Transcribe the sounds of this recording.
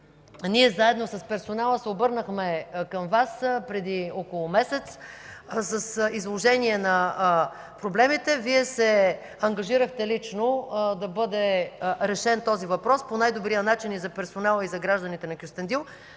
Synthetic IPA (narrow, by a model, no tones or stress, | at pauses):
niɛzaɛd̪nosɐspɛɾsonalˠəsɛobɤɾnəxmɛkɐmvaspɾɛd̪iɔkolˠʊmɛsɛt̪s | səsizlˠoʒɛniɛnɐ | pɾoblɛmit̪ɛviɛsɛ | ɐŋɡɐʒiɾəxt̪ɛlit͡ʃnod̪ɐbɤd̪ɛɾɛʃɛnt̪ɔzivɐpɾɔsponajd̪obɾijənat͡ʃinizɐpɛɾsonalˠəizɐɡɾaʒd̪ɐnit̪ɛnɐkjust̪ɛnd̪ilˠ